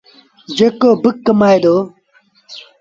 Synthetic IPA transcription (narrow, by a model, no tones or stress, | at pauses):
d͡ʑekoːbɨkːɐmaːjd̪oː